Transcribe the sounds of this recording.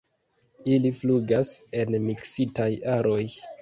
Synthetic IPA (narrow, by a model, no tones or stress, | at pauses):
ilifluɡase̞nmiksitajaɾo̞j